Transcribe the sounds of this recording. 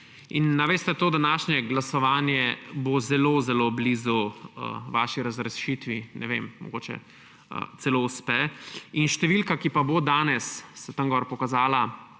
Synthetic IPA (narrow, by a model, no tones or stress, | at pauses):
inːaʋest̪ɛt̪oːd̪anaːʃɲɛɡlasɔʋaːnjɛbozɛloːzɛloːbliːzuə̰ʋaːʃiɾɐzɾɛsʃit̪ʋinʔɛ̰ʋḛmmɔ̰ɡoːt͡ʃɛ̰ | ə̰t̪sɛlouspɛinʃt̪ɛʋilkakipabod̪aːnɛsːɛt̪əŋɡɔɾpɔkazaːla